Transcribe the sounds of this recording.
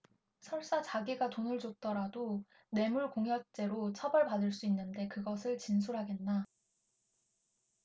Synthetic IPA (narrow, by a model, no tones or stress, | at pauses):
sʰʌɭs͈at͡ɕaɡiɡatonɯɭd͡ʑot̚t͈ʌɾado | ne̞muɭkoŋɦjʌt͡ɕ͈e̞ɾot͡ɕʰʌbʌɭpadɯɭs͈uinːɯnde̞kɯɡʌsʰɯɭt͡ɕinsʰuɾɦaɡe̞nːa